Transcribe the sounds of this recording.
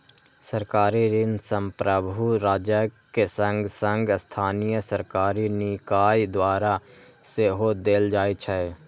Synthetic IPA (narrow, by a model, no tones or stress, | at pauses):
səɾkaːɾiɾɪnsə̃mpɾəbʱuɾaːd͡ʒə | kːesə̃ŋɡsə̃ŋɡst̪ʰaːnijəsəɾkaːɾinikaːid̪waːɾa | seɦoːd̪eːld͡ʒaːit͡ʃʰɛ